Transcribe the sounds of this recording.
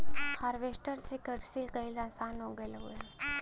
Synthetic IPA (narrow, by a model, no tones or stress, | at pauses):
haːɾʋeːsʈəɾsekəɖsilkɐilaːsaːnɦoːɡelɦue